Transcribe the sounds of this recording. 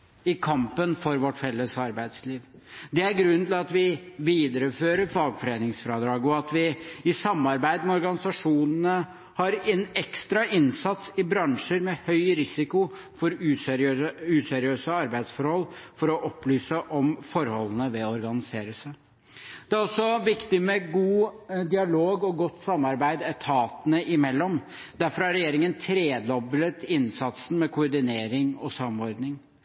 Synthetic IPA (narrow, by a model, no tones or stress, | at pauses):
ɪkʰɑmpənfɔɾʋɔʈfɛlːəsɑɾbæɪd̪sliːʋd̪ɛæɾɡɾʉnːənɪlɑt̪ʋɪʋiːd̪əɾəføːɾəɾfɑːɡfɔɾeːnɪŋsfɾɑːd̪ɾɑːɡɔɑt̪ʋɪɪsɑmːɑɾbæɪd̪mɛɔɾɡɑnɪsɑʂuːnənə | hɑɾɛnɛkst̪ɾɑʔɪnsɑt̪sɪbɾɑŋʂəɾmɛhœʏɾɪsɪkʊ | fɔɾʉː | ʉːsɛɾɪøːsəɑɾbæɪd̪sfɔɾhɔlːfɔɾɔʔɔplyːsəʔɔmfɔɾhɔlənəʋɛɔɾɡɑnɪseːɾəsæ | d̪̥ɛææɾɔsːɔʋɪkt̪ɪmɛɡuːd̪ɪɑloːɡɔɡɔt̪ːsɑmːɑɾbæɪd̪æt̪ʰɑːt̪ənəɪmɛlːɔm | d̪æɾfɔɾɑɾːɛjeːɾɪŋənt̪ʰɾeːd̪lɔblət̪ɪnsɑt̪sn̩mɛkʰʊʊɾɖ̪ɪneːɾɪŋɔsɑmɔɾd̪nɪŋ